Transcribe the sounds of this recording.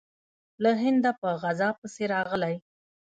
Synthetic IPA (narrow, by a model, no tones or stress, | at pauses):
laɦɪnd̪apəɣazɑpəseɾɑɣəlaj